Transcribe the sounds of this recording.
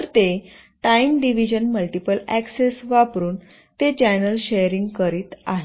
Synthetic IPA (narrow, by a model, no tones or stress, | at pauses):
əɾt̪e | ʈaimɖiʋid͡ʑənməlʈipəlæksesʋapɾuːn | t̪et͡ɕanəlɕejəɾiŋɡkəɾiːt̪a̰ɦ